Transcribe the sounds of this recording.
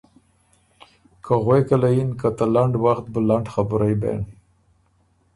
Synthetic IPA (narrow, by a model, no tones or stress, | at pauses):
kʰaɣwekalajinkat̪alaɳɖwaxt̪̚bəlaɳɖxabʊɾajbḛɳ